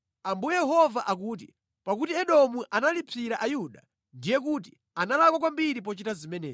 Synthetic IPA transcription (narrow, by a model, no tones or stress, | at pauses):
ambujɛjɛɦɔvaʔakuːt̬i | pakutiɛɗɔmuʔanalipʰiɾaʔajuɗa | ndijɛk̬uːt̬i | analakwakwambiɾip̬ɔt͡ʃitazimɛnɛ̰ː